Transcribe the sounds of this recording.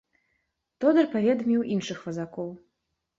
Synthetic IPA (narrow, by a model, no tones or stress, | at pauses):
t̪ɔd̪ɐrpavʲɛd̪mʲiwʔinʂɨxvɐzakɔw